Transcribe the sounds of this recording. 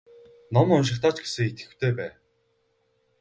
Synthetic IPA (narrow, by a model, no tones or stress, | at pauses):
nɔmʊnʃ̬ɪ̆kt̪aːt͡ɕɡe̥sɘ̆ŋit̪ɡɘ̥̆wt̪ʰeːpæː